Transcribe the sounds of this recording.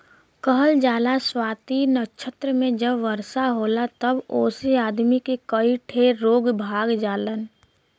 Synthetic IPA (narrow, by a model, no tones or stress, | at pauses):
kəɦəld͡ʒaːlaswaːt̪iːnət͡ʃʰət̪ɾəmẽd͡ʒəbʋəɾsaɦoːlat̪əboːsiaːd̪mikekəiʈʰeɾoːɡbʱaːɡd͡ʒaːlən